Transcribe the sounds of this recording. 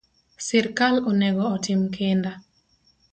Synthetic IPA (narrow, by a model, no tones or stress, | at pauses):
sɪɾkalɔnɛɡɔːtɪmkʰɪnda